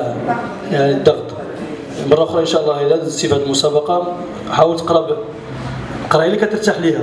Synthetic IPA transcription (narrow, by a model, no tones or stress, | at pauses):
jaʕnid̪ːɑɣt̪ˤ | mɑrˤːɑxɾɑʔənʃæʔəlˤːɑhilæd̪sˤifhæt̪əlmʊsæbɑqɑ | ħawəlt̪ə̥qɾˤɑb | qɾˤɑjælːikæt̪əɾˤt̪aħlihæ